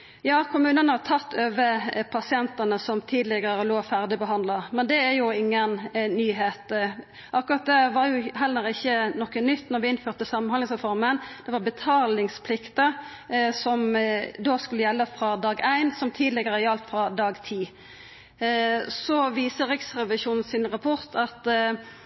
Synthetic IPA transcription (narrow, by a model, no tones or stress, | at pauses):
jɑːkʰʊmʉːnənəhɑt̪ʰɑt̪ːøːʋəpʰɑsɪɛnt̪ənəsɔmt̪ʰiːd̪lɪɡəɾəloːfæʁd̪ɪbəɦɑnd̪lɑmɛnd̪ɛæɾjʊɪŋːənnyːɦeːt̪ | ʔɑkːʊʁɑt̪̚d̪ɛʋɑɾjʊɦɛlːəɾɪçːənɔkːənʏt̪ːnɔɾʋɪɪnføːʁt̪əsɑmɑnɑnɪŋsʁɛfɔʁmənd̪̥ɛʋɑʁbət̪ʰɑːlɪŋspʰlɪkt̪ə | sɔmd̪oːskʉlːəjɛlːəfɾɑd̪ɑːɡæɪnsɔmt̪ʰiːd̪lɪɡəʁəɑlt̪fɾɑd̪ɑːɡt̪ʰiː | sɔʋiːsəʁɪksʁɛʋɪsuːnn̩sɪnʁɑpʰɔʁt̪ʰɑt̪